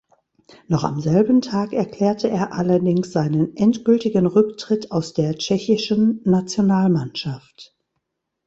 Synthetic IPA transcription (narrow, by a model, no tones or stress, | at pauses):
nɔχa̰mzɛlbn̩tʰaːkɛɐkl̥ɛːɐtʰəʔeːɐʔalɐdɪŋsz̥aɪnənʔɛntɡ̥ʏltɪɡənʁʏktʁ̥ɪtaʊsd̥eːɐt͡ʃɛçɪʃən̩ːat͡sjonaːlmanʃaft